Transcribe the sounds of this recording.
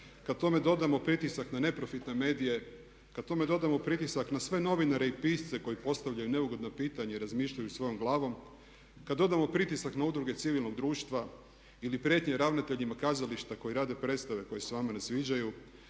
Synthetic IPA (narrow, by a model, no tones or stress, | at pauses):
kad̪̚t̪o̞me̞d̪o̞d̪amo̞pɾit̪isaknane̞pɾo̞fit̪ne̞me̞ːd̪ije̞ | kad̪t̪o̞me̞d̪o̞d̪amo̞pɾit̪isaknasʋe̞no̞ʋinaɾe̞ipiːst̪se̞ko̞jipo̞st̪aʋʎajune̞uɡo̞d̪nopiːt̪aɲeiɾazmiːʃʎajusʋo̞jo̞mɡlˠaːʋo̞m | kad̪d̪ːo̞d̪amo̞pɾit̪isaknaud̪ɾuɡe̞t̪siʋilno̞ɡd̪ɾuːʃt̪ʋa | ilipɾjet̪ɲe̞ɾaʋnat̪e̞ʎimakaːzaliʃt̪ako̞jiɾaːd̪e̞pɾe̞t̪st̪aʋe̞ko̞jeseʋamanasʋiːd͡ʑaju